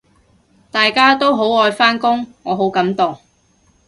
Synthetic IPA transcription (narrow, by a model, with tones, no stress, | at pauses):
t̪aː˨jkaː˥t̪o˥wɦo˨˥wɔː˧jfaː˥nkʊ˥ŋŋɔː˨˧ɦo˨˥wkɐ˨˥mt̪ʊ˨˩ŋ